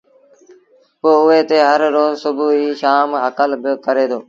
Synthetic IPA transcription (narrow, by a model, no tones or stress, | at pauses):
poːʊeːt̪eːɦəɾːoːzsʊbʱuːiːʃaːmɦəkəlbɪkəɾeːd̪oː